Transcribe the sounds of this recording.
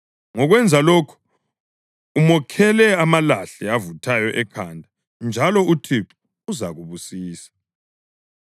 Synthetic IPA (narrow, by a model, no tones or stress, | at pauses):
ŋɔɣwɛnd͡zʱaloːkʰɔ̥ | umɔkʰɛlɛamalaɬɛavutʰajɔʔɛkʰandʱa | nd͡ʒʱalɔutʰip | uzaɣuβusiːsḁ